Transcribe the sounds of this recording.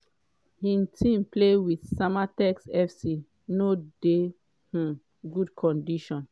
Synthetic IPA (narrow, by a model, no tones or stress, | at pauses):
hĩntʰĩmplewiθsamatɛksɛfsi | node | h̩ | ɡudkʰɔ̃ndiʃɔ̃n